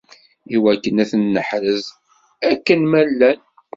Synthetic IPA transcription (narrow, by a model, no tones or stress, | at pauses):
iwækːənæθənːəħɾəz | ækːənmælːæn